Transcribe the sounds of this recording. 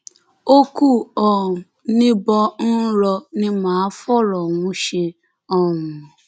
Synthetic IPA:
o˦ku˦ɔ˨ | nĩ˦bɔ˧n̩˦ɾɔ˧nĩ˦mãː˨˦fɔ˦˨ɾɔ˨wũ˨˦ʃe˧ | ɔ˦˨ŋũ˨

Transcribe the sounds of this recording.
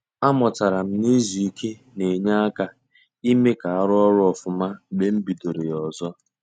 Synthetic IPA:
a˦mɔ˨ta˨ɾa˨m̩˦ni˦zu˨i˦kʰe˦ | ne˨ɲa˦a˦ka˦ | i˦me˦ka˨a˦ɾʊ˦ɔ˦ɾʊ˦ɔ˨fʊ˨ma˦˨ɡ͡be˦m̩˦bi˨do˨ɾe˨jɔ˨zɔ˦

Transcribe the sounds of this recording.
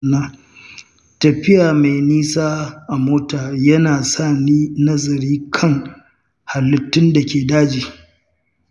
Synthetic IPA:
naː˦ | tɐ˨ɸɪ˦jaː˨ma˨jniː˦saː˦ʔa˨moː˦taː˨jɐ˦naː˨sa˦˨niː˦nɐ˦zɐ˨ɾiː˦kʰɐ˦ŋ | ha˨lːɪ˨tːʊ˦nda˨kʲeː˨daː˦d͡ʒiː˨

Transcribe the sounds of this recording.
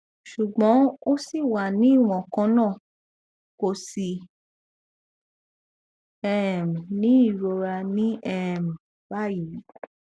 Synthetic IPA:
ʃu˨ɡ͡bɔ̃˨˦o˦si˦˨wa˨nĩ˨˦i˦˨w̃ɔ̃˨kã˧˦nãː˦˨ | ko˧si˧ | ɛ˦˨m̃˨nĩ˨˦i˦˨ɾo˧ɾa˧nĩ˦ɛ˦˨mĩ˨ | ba˦ji˨˦

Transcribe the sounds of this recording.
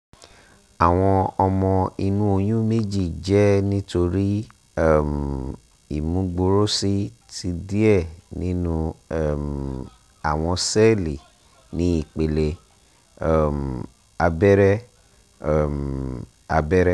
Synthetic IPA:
a˨w̃ɔ̃˧ɔ˧mɔ̃˧i˧nũ˦o˧j̃ũ˦me˦d͡ʒi˦˨d͡ʒɛ˦nĩ˦to˧ɾi˦ | ɛ˦˨m | i˨mũ˨˦ɡ͡bo˧ɾo˦si˦ | ti˦di˦ɛ˦˨nĩ˨˦nũ˦˨m | a˨w̃ɔ̃˧sɛ˦li˨ | nĩ˨˦i˦˨k͡pe˨le˧ | ɛ˦˨m˨ | a˧bɛ˦ɾɛ˦˨ | m | a˧bɛ˦ɾɛ˦

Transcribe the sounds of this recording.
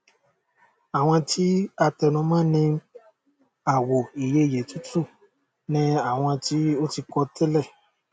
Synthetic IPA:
a˨w̃ɔ̃˧tʰi˨˦a˧tɛ˧nũ˧˦mãː˦nĩ˧ | a˨wo˨i˨je˧˦i˨je˨tu˦tu˦˨ | nĩ˧˦a˨w̃ɔ̃˧ti˨˦o˦ti˧kɔ˧tɛ˦lɛ˦˨

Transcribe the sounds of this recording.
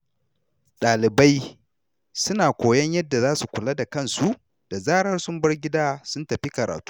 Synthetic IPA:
ɗaː˨lɪ˨ba˦j | sʊ˦naː˨kʷoː˨jɐ˦ɲjɐ˦dːa˨zaː˦su˨kʷʊ˨la˦da˨kɐ˦˨nsu˦ʔ | d̥a˨zaː˦ɽɐ˦rsʊ˦mbɐ˦rɡʲɪ˦daː˦sʊ˦ntɐ˨ɸi˦kɐ˨ɾa̰ː˨tu̥ː˦

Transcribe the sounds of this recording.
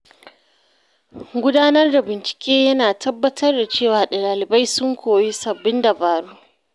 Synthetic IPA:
ɡʷʊ˦daː˦nɐ˦rda˨bɪ˨nt͡ʃɪ̥˨kʲʼeː˦jɐ˦naː˨tʰɐ˦bːɐ˦tʰɐ˦rda˨t͡ʃeː˦˨waː˨ɗa˨laː˨lɪ˨ba˦jsʊ˦ŋkʷʰoː˨ji˦sɐ˨bːɪ˦nda˨baː˨ɽu˦ʔ

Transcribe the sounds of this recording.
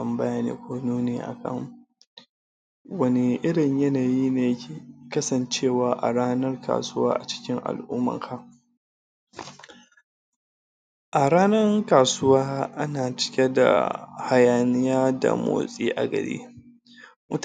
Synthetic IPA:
ɐ˨mbɐ˦jaː˦nḛː˦kʷoː˦nuː˦neː˨˦ʔa̰˨kʰɐ̰˦˨ŋ | wɐ˦ne˨ʔɪ˦ɽɪ˨ɲjɐ˦naː˨jiː˦neː˨jɐ˦kʲʰeː˨kɐ˦sɐ˨nt͡ʃeː˦˨waː˨ʔa̰˨ɽaː˦nɐ˦rka̰ː˨sʊ˦wa̰ː˦ʔa˨t͡ʃɪ̥˦kʲɪ˦ŋʔa̰˨lʔʊ˦mːɐ̰˨ŋkʰa˦ | ʔa˨ɾaː˦nɐ˦rkaː˨sʊ˦waː˦ʔa˦naː˨t͡ʃɪ̥˦kʲe˦da̰˨ha˦jaː˨nɪ˦jaː˦da̰˨mo̰ː˨sʼiː˦ʔa˨ɡɐ̰˨ɽḭː˦ | mʊ˦t

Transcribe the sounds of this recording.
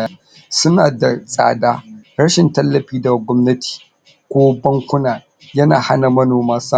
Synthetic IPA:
ja˦ | sʊ˦naː˨da˨sʼa̰ː˨daː˦ɾɐ˦ʃɪ˨ntɐ˦lːɐ˨ɸiː˦da˨ɡʷɔ˦mnɐ˦tʰi̥ː˨ | kʷoː˦bɐ˦ŋkʷʊ˦naː˨ | jɐ˦naː˨ha˦na˨mɐ˦noː˨maː˦sa˦

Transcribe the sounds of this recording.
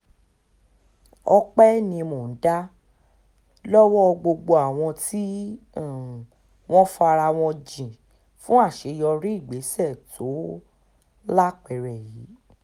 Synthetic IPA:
ɔ˧k͡pɛ˦nĩ˧mo˨n̩˨˦da˦ | lɔ˦wɔ˦˧ɡ͡bo˧ɡ͡bo˧a˨w̃ɔ̃˧ti˦˨ | w̃ɔ̃˦fa˧ɾa˧w̃ɔ̃˧d͡ʒĩ˨ | fũ˦a˦˨ʃe˧jɔ˧ɾi˦i˦˨ɡ͡be˨˦sɛ˦˨tʰo˨˦ | la˦k͡pɛ˨ɾɛ˨ji˨˦

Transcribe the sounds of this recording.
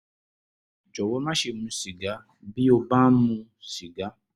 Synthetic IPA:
d͡ʒɔ˨wɔ˨˧˦mã˦ʃe˦˨mũ˧˦si˨ɡa˨˦ | bi˦o˧ba˦mũ˧si˨ɡa˨˦

